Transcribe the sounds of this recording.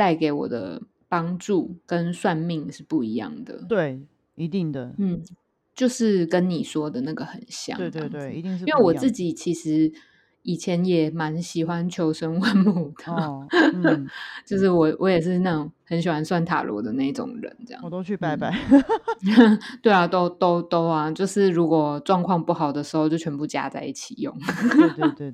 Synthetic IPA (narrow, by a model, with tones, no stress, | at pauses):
t̪a˥˩ɪke˧˥ɪwɔ̰˨˩d̪ə̰˦ | pɑ˥ŋʈ͡ʂu˥˨˩kə˦nswa˥˧nmi˥˧ŋʂɻ̩˥˧pu˥˩i˧˥˦jɑ̰˥˩ŋd̪ə̰˩t̪we˥˩ɪ | i˧˥t̪i˥˩ŋd̪ə˩n̩˥˩ | t͡ɕjo˥˧ʊʂɻ̩˥˩kə˦nni˨˩ʂwɔ˥d̪ə˨na˥˩ɡə˨˩xə̰˨˩nɕjɑ̰˥˩˧e˨˧we˩˧i˧ŋ˦nwe˥˩ɪwɔ˨˩t͡sɹ̩˥˩t͡ɕi˨˩t͡ɕʰi˧˥ʂɻ̩˧˦ | i˨˩t͡ɕʰjɛ˧˦njɛ˨˩ma˧˦nɕi˨˩xwa˦nt͡ɕʰjo˧˥ʊʂə˦nwa˥˧nmu˥˩d̪̥ə˩ | t͡ɕjo˥˧ʊʂɻ̩˥˩wɔ˨˩wʔɔ˧˦jɛ˨˩ʂ̬ɻ̩˥˧na˥˩ŋhə˧˦nɕi˨˩xwa˦˥nswa˥˩nt̪ʰa̰˨˩lwɔ̰˧˦d̪ə˨na˥˩i˥˩ʈ͡ʂʊ̰˨˩ŋɻə̰˧˦nt͡sə˥˧jɑ̰˥˩˨oy˥˧pa˧pa˥˧ | t̪we˥˩ɪa˨˩t̪o˥ʊt̪o˥ʊt̪o˥ʊa˨t͡ɕjo˥˧ʊʂɻ̩˥˩ɻu˧˦˥kwɔ˨˩ʈ͡ʂwɑ˥˧ŋkʰwɑ˥˧ŋpu˥˩xɑ˨˩ʊd̪ə˩ʂɻ̩˧˥xo˥˧t͡ɕo˥˩ʊt͡ɕʰɥɛ˧˥mpu˥˩t͡ɕja̰˥t͡sa˥˧ɪi˥˩t͡ɕʰi̥˨˩jo̰˥˩ŋ